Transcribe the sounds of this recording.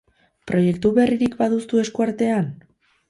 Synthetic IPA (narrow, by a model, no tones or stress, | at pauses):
pɾʔo̞je̞kt̪uβe̞riɾikbaðust̪ue̞skuaɾt̪e̞an